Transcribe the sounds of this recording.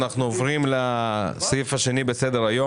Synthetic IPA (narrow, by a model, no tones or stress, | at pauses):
naχnuovʁimlasajifaʃe̞nibesed̪eʁajo